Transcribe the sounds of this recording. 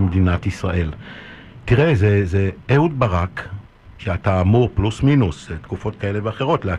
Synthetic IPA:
medinatisʁaʔe̞l | tiʁezezeeud̚baʁak | ʃeataːmuʁplusminustkufo̞t̚kae̞le̞veaχe̞ʁo̞tlea

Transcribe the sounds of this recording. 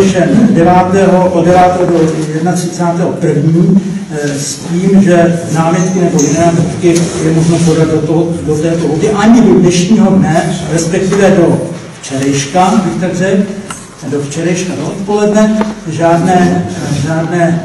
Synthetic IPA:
ʃɛdɛvaːt̪ɛːɦo̞ʔodɛvaːt̪ɛːɦodojɛdnat̪r̥ɪt͡saːt̪ɛːɦopr̩vɲiː | sciːmʒɛnaːmjɛt̪kɪnɛbo̞jɪnɛːvot̪kɪjɛmoʒnopo̞dad̪̚doodot̪ɛːt̪oɦot̪ɪʔaɲɪdodnɛʃɲiːɦo̞dnɛɾɛspɛk̚t̪ɪvɛdo̞ft͡ʃɛɾɛjʃkabɪxt̪aɡrɛk | do̞ft͡ʃɛɾɛjʃkadoʔot̪po̞lɛdnɛʒaːdnɛːʒaːdnɛː

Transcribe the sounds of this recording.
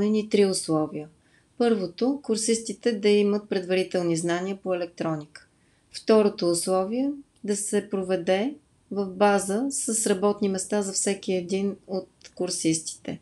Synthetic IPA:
nɛnit̪ɾiʊslˠɔvijə | pɤɾvot̪okʊɾsist̪it̪ɛd̪ɐimət̪̚pɾɛd̪vɐɾit̪ɛlˠniznaniəpoɛlɛk̚t̪ɾɔnikə̥ | ft̪ɔɾot̪oːslˠɔviɛ | d̪ɐsɛpɾovɛd̪ɛ | vəvbazəsəsɾɐbɔt̪nimɛst̪azɐfsɛkiɛd̪inot̪̚kʊɾsist̪i̥t̪ɛ̰

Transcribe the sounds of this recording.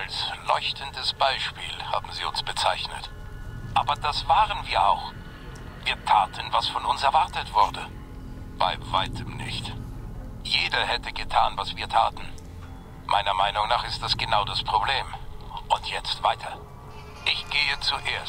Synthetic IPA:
ʔalslɔ̰ʏçtʰəndəsb̥aɪʃpiːlha̰ːbm̩ziːʊ̰nsb̥ət͡saɪçnə̰t | ʔaːbɐdasv̥aːʁənviːɐʔa̰ʊx | viːɐtʰaːtʰən̩vasfɔnʊnsɛɐvaɐtətv̥ʊɐdə | b̥a̰ɪvaɪtʰəmnɪ̰çt | jeːdɐhɛtəɡətʰaːnvasv̥iːɐtʰaːtn̩ | mʔa̰ɪnɐmaɪnʊŋnaːχɪst̚d̥asɡ̥ənaʊdaspʁ̥obleːmʔʊntʰjɛt͡stv̥aɪtʰɐ | ʔɪçɡ̥eːət͡suʔeːɐs

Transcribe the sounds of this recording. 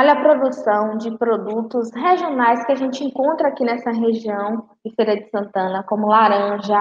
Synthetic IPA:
ɔʎɐpɾod̪usɐ̃w̃d͡ʒɪpɾod̪ut̪ʊsɦeʒionajskɪaʒẽnt͡ʃɪẽŋkõnt̪ɾɐakinɛsɐɦeʒiɐ̃w̃ | d͡ʒɪfejɾɐd͡ʒɪsɐ̃nt̪ɐ̃nɐkõmʊlaɾɐ̃ʒɐ

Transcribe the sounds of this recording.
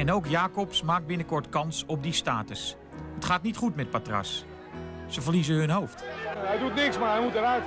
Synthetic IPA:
ɛnowkjaːkɔpsmaːk̚bɪnəkɔɹtkɑnsɔb̚distaːtəs | ətχaːtnitχutmɛt̚patra̰s | səvərlizəɦɵnɦowftɛjdutnɪksmaɹɦɛjmutəɾœt

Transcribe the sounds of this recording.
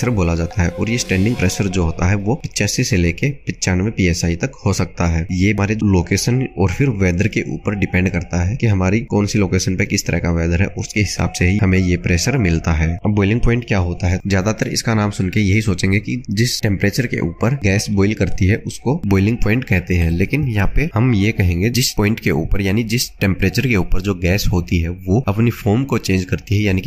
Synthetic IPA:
əɾboːlad͡ʒaːt̪aɦɛʔɔːɾjesʈɛ̃ːɳɖɪ̃ŋɡpɾeːʃəɾd͡ʒoːɦoːt̪aɦɛʋopɪtːt͡ʃɛːsiseleːkepɪtːt͡ʃaːnmẽpiːɛːsaːit̪ɐkhosɐk̚t̪aɦɛːjemaːɾeloːkeːʃənɔːɾfɪɾʋɛːd̪əɾkeʔṵːpəɾɖɪpɛ̃ːɳɖkɐɾt̪aɦɛkiɦɐmaːɾikɔːnsiloːkeːʃə̃npekɪst̪əɾəɦkaʋɛːd̪əɾɦɛ̰ʔɔːʊskeɦɪsa̰ːbseɦiɦɐmẽjepɾɛːʃəɾmɪlt̪aɦɛːɐbːɔːɪlɪ̃ŋɡ̚pɔːɪ̃ɳʈkjaːɦoːt̪aɦɛzjaːd̪at̪əɾɪ̰skanaːmsʊnkejɐɦisoːt͡ʃẽːŋɡekid͡ʒɪsʈɛ̃mpɾeːt͡ʃəɾkḛʔuːpəɾɡɛːsbɔːɪlkɐɾt̪iɦɛʔʊskobɔːɪlɪ̃ŋɡpɔ̃ːɪ̃ɳʈkɛɦt̪eɦɛ̃leːkɪnjɐɦãpehɐmjekɐɦẽːŋɡed͡ʒɪspɔːɪ̃ɳʈkeṵːpəɾjaːnid͡ʒɪsʈɛ̃mpɾeːt͡ʃəɾkeuːpəɾd͡ʒoːɡɛːsɦoːt̪iɦɛʋoɐpnifʰoːɾmkot͡ʃẽːɲd͡ʒkɐɾt̪iɦɛjaːnik

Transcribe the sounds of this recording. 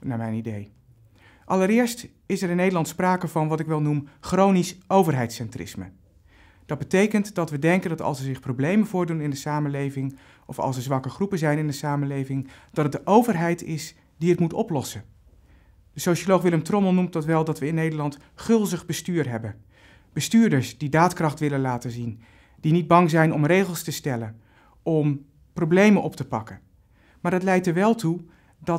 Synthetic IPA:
naːɹmɛjnidej | ʔɑləɾɪːɹst | ɪsɛɾɪnːejdəlɑntspraːkəvɑnʋɑtɪkʋɛlˠnumχrownisʔowvərɦɛjtsɛntrɪ̰smə̰ | d̥ɑd̚bətejkəntdɑtʋədɛŋkəndɑtɑ̰lˠsəzɪχprowblejmənvʊːɹdunɪndəsaːməlejvɪŋ | ʔɔfɑ̰lˠsəɹzʋɑkəχrupənzɛjnɪndəsaːməlejvɪŋd̥ɑtətdəʔowvərɦɛjtɪs | diɦətmutɔ̰plɔsən | d̥əsowʃoloχʋɪləmtrɔməlˠnumtdɑtʋɛlˠdɑtʋəɪnːejdəɹlɑnt | χɵlˠzəχbəstyːrɦɛbən | b̥əstyːɹdəɹsd̥idaːtkrɑχtʋɪlənlaːtənzin | d̥inid̚bɑŋzɛjnɔmrejχəlˠstəstɛlən | ɔm | problejmənʔɔp̚təpɑkə | maːɹdətlɛjtəɹʋɛlˠtu | dɑ

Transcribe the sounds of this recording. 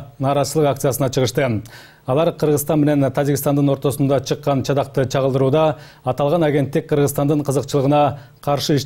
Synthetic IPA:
nɑːɾɑzəlˠəqakt̪sjasənɑt͡ʃʰəʁəʃt̪ə | ɑlˠɑɾqʰəɾʁəzst̪ɑnme̞ne̞nt̪ʰæd͡ʒikʲist̪ɑnd̪ɯno̞ɾt̪o̞sund̪ɑt͡ʃʰɯqːɑnt͡ʃʰɑd̪ɑq̚t̪ət͡ʃʰɑʁəlˠd̪əɾuːd̪ɑː | t̪ɑlˠʁɑnaɡʲe̞nt̪ːɪk̚ʲqʰəɾʁəzt̪ɑnd̪ɯɴqʰəzəqt͡ʃəlˠəʁənɑ | qʰɑɾʃɨiʃ

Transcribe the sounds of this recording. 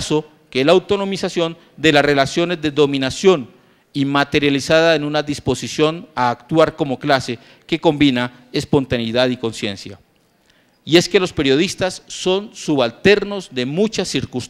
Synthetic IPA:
so̞ | kelaːwt̪o̞no̞misasjo̞n | d̪e̞larelasjo̞ne̞zd̪e̞ðo̞mĩnasjo̞n | imat̪e̞ɾjalisaðaenunaðispo̞sisjo̞naːkt̪waɾko̞mo̞klase̞ | ke̞ko̞mbina | e̞spo̞nt̪aniðaðiko̞nsje̞̰nsja̰ | ie̞ske̞lo̞spe̞ɾjo̞ð̞ist̪asːo̞nsuβalt̪e̞ɾno̞zd̪e̞mut͡ʃasiɾkus

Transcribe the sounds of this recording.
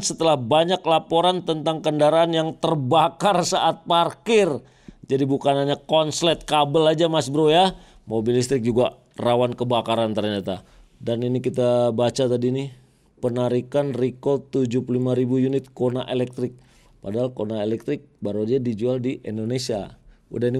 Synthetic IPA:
sət̪əlahbaɲaklapoɾant̪ənt̪aŋkəndaɾaːnjaŋt̪ərbakarsaʔat̪̚parkɪr | d͡ʒadibukanaɲakɔnslɛt̪̚kabəlad͡ʒamasbəɾoja | mobilist̪ɾɪk̚d͡ʒuɡa | rawankəbakaɾant̪ərɲat̪a | daninikit̪abat͡ʃat̪adiːni | pənaɾikanrikot̪ud͡ʒupulimaɾibujunɪt̪̚konaʔelɛk̚t̪ɾɪk̚ | padaɦalkonaelɛk̚t̪ɾɪk̚baɾuadiadid͡ʒualdiʔindonesia̰ | ṵdahini

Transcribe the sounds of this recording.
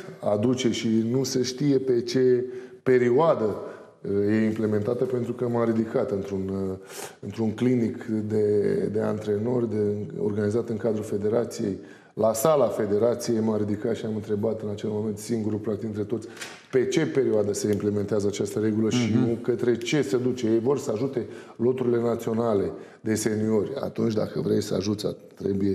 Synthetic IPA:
ad̪ut͡ʃe̞ʃinuse̞ʃt̪ije̞pe̞t͡ʃe̞pe̞ɾioad̪ə | je̞imple̞me̞nt̪at̪əpe̞nt̪ɾukəmaɾid̪ikat̪ɨnt̪ɾun | ɨnt̪ɾuŋklinikd̪e̞d̪e̞a̰nt̪ɾe̞no̞rʲd̪eo̰rɡanizat̪ɨŋkad̪ɾulfe̞d̪e̞ɾat̪sijej | lasalafe̞d̪e̞ɾat̪sije̞jmaɾid̪ikat̪ʃiamɨnt̪ɾe̞bat̪ɨnat͡ʃe̞lmo̞me̞nt̪siŋɡuɾulpɾaktd̪iɨnt̪ɾe̞t̪o̞t̪sʲ | pe̞t͡ʃe̞pe̞ɾioad̪əse̞imple̞ment̪eazəat͡ʃast̪əɾe̞ɡuləʃijukət̪ɾe̞t͡ʃe̞səd̪ut͡ʃeje̞jvo̞rsəaʒut̪e̞lo̞t̪uɾilenat̪sio̞nale̞ | d̪e̞se̞nio̞rʲa̰t̪unt͡ʃd̪a̰kəvɾejsəa̰ʒut̪sʲa̰t̪ɾe̞buje

